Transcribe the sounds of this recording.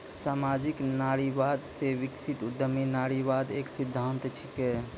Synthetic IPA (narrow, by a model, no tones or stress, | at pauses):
saːmad͡ʒiknaɾiʋad̪seʋiksit̪ud̪ːəminaɾiʋad̪eːksid̪ʱːənt̪t͡ʃʰike